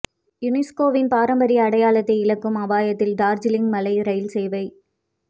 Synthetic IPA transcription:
jʊnɪskoːʋɪnpaːɾɐmbɐɾiɐɐɽɐjaːlɐt̪ːɐɪɪɭɐkːɯmɐʋaːjɐt̪ːɪlɖaːɾd͡ʒɪlɪŋɡmɐlɐɪɾɐjɪlsɛjʋɐɪ

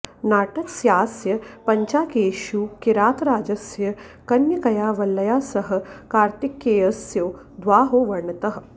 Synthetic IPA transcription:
naːʈɐksjaːsjɐpɐɲt͡ʃaːkeːʃuːkiɾaːt̪ɾaːd͡ʒɐsjɐ | kɐnjɐkɐjaːʋɐlːɐjaːsɐɦɐ̆kaːɾt̪ikːeːjɐsjɐː | d̪ʋaːɦoːʋɐɾɳɐt̪ɐɦ̆

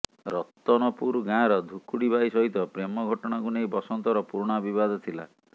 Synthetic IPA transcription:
ɾɔt̪ːɔnɔpuɾɡajɔɾɔd̪ʱukuɽibaisɔɦit̪ɔpɾemɔɡʱɔʈɔɽ̃akunejbɔsɔnt̪ɔɾɔpuɾɽ̃abibad̪ɔt̪ʰila̰

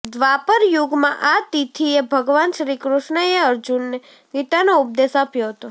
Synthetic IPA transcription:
d̪ʋapəɾjuɡmãʔat̪it̪ʰiebʱəɡʋanʃɾikɾʊʃɳəeəɾd͡ʒunːe | ɡit̪anoʊp̚d̪esapjoɦət̪o

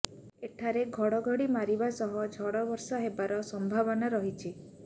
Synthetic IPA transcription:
eʈʰaɾeɡʱɔɽɔɡʱɔɽimaɾibasɔɦɔd͡ʒʱɔɽɔbɔɾsaɦebaɾɔsɔmbʱabɔnaɾɔɦit͡ʃʰi

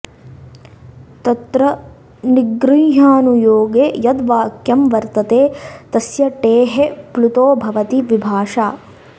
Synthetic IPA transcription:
t̪ɐt̪ɾɐ | niɡɾiːɦaːnujoːɡeːjɐd̪ʋaːkjɐmʋɐɾt̪ɐt̪eːt̪ɐsjɐʈeːɦeplut̪oːbʱɐʋɐt̪iʋibʱaːʂaː

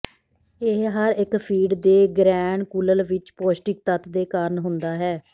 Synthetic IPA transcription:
eɦɦəɾɪkpʰiːɖd̪eːɡɾɛːɳkuləlʋɪt͡ʃpoːsʈɪk̚t̪ət̪d̪eːkaːɾəɳɦʊnd̪aːɦɛː

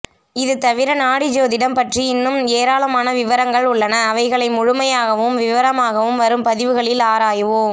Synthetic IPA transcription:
ɪðɯt̪ɐʋɪɾɐnaːɽɪd͡ʒoːðɪɽɐmpɐʈriɪnːɯmeːɾaːlɐmaːnɐʋɪʋɐɾɐŋɡɐɭʊɭːɐnɐːʋɐɪɣɐɭɐɪmʊɻʊmɐjaːɣɐʋɯmʋɪʋɐɾɐmaːɣɐʋɯmʋɐɾɯmpɐðɪʋɯɣɐɭɪlaːɾaːjɯʋoːm

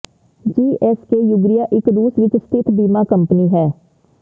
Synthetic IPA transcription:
d͡ʒiːʔɛskeːjʊɡɾɪjaːʔɪkɾuːsʋɪt͡ʃst̪ɪt̪ʰbiːmaːkəmpniːɦɛː

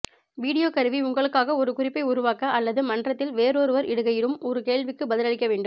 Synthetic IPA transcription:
ʋiːɽɪjoːkɐɾɯʋiʊŋɡɐɭɯkːaːɣɐɔɾɯkʊrɪpːɐɪʊɾʊʋaːkɐʔɐlːɐðɯmɐnrɐt̪ːɪlʋeːɾoːɾɯʋɐɾɪɽɯɣɐjɪɾɯmɔɾɯkeːɭʋɪkːɯbɐðɪlɐɻɪkːɐʋeːɳɖɯm

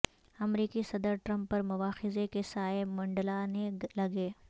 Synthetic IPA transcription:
ɐmɾiːkisɐd̪əɾʈɾə̃mpːɐɾmʊʋaːxɪzekesaːemɐ̃ɳɖəlanelɐɡeː

